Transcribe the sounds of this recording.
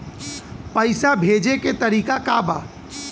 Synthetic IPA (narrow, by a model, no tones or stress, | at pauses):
pəɪsabʱeːd͡ʒeket̪ɐɾiːkakabaː